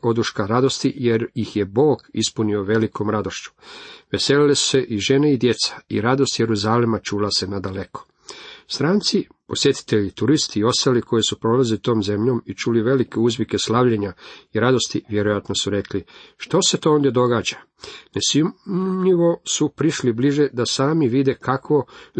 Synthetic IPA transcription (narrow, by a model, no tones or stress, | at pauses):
o̞d̪uʃkaɾad̪o̞st̪ije̞ɾjixje̞bo̞ːɡispunio̞ʋe̞liko̞mɾad̪o̞ʃt͡ɕu̥ʋe̞se̞lilesu̥se̞ʔiʒe̞neid̪je̞t̪sḁḭɾad̪o̞st̪je̞ɾuzaːlemat͡ʃuːlase̞nad̪ale̞ko̞̥ | st̪ɾaːnt̪si | po̞sje̞t̪i̥t̪e̞ʎit̪uɾist̪iːo̞st̪aliko̞jesupɾo̞lazilit̪o̞ːmze̞mʎo̞ːmit͡ʃuliʋe̞like̞uzʋʲike̞slaʋʎeɲaiɾad̪o̞st̪iʋje̞ɾo̞jat̪no̞suɾe̞kliʃt̪o̞se̞t̪o̞ːond̪je̞d̪o̞ɡaːd͡ʑa | nesimɲiʋo̞supɾiʃlibliʒe̞d̪asaːmiʋid̪e̞kʰakʋo̞